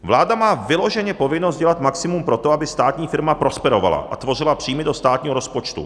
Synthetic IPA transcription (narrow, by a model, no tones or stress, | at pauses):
vlaːdamaːvɪlo̞ʒɛɲɛpo̞vɪnost̪ɟɛlat̪maksɪmumpɾo̞t̪o̞abɪst̪aːt̪ɲiːfɪɾmapɾo̞spɛɾo̞va̰la̰ʔat̪vo̞rɪlapr̝̥iːmɪdo̞st̪aːt̪ɲiːɦoɾospo̞t͡ʃt̪ṵ